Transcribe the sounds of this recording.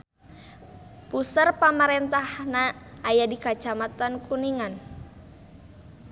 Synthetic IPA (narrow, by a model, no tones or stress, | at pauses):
pusərpamaɾɛnt̪ahnaːjadikat͡ʃamat̪ankuniŋan